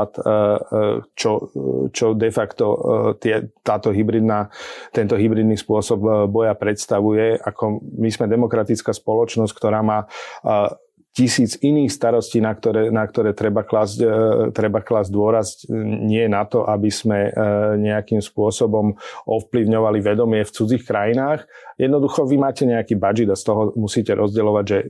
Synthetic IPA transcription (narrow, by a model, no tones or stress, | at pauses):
at̪ | t͡ʃɔt͡ʃɔd̪ɛfakt̪ɔt̪ɪɛt̪aːt̪ɔɦibɾid̪nat̪ɛnt̪ɔɦibɾiːd̪nispʊɔsɔbbɔjapɾɛt̪st̪aʋujɛakʰɔmizmɛd̪ɛmɔkɾat̪itt͡skaːspɔlɔt͡ʃnɔsckt̪ɔɾaːmaː | cisiːt͡siniːxst̪aɾɔsciːnakt̪ɔɾɛːnakt̪ɔɾɛːt̪ɾɛbaklazt̪ɾɛbaklaːzd̪ʊɔɾazcɲɪɛɛnat̪ɔʔabiz̥mɛɲɛakiːmspʊɔsɔbɔmɔfpliʊɲɔʋaliʋɛd̪ɔmɪɛft͡sud͡ziːxkɾajinaːxjɛd̪nɔd̪uxɔʋimaːcɛɲɛakiːbad͡ʒid̪ast̪ɔɦɔmusiːcɛɾʔɔzɟɛlɔʋaɟʒɛ